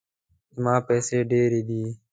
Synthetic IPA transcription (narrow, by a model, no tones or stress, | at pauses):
mãːpɛːseːɖeːɾiːd̪iː